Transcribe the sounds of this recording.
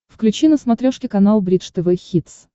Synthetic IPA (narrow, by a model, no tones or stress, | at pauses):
fklʲʉt͡ɕinəsmɐt̪ɾʲoʂkʲɪkɐnalˠbɾʲit̪ʂt̪ɛvɛxʲit̪s